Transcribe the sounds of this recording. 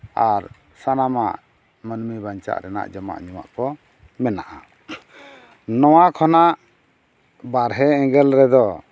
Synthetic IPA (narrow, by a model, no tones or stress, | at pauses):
aɾ | sanamaʔ | mənmibaɲt͡ʃa̰ʔɾɛna̰ʔd͡ʒɔma̰ʔɲuma̰ʔkɔ | mɛnaʔa | nɔwakʰɔnaʔ | baɾɦɛɛ̃ŋɡɛlɾɛd̪ɔ